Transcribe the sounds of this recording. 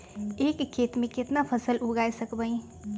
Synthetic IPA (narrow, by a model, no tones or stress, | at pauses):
eːkkʰːet̪mẽket̪napʰəsəluɡajsəkbəĩ